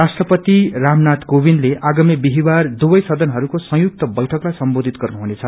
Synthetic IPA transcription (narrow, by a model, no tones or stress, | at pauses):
asʈrʌpʌt̪iramnat̪kobinleʔaɡʌmibiɦibard̪ubʌjsʌd̪ʱʌnɦʌɾukosʌ̃juk̚t̪ʌbʌjʈʰʌklajsʌmbod̪ʱit̪ɡʌrnuɦunet͡sʰʌ